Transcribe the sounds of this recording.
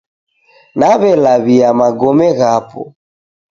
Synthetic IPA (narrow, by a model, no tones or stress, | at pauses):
naβɛlaβiamaɡɔmɛɣapɔ̰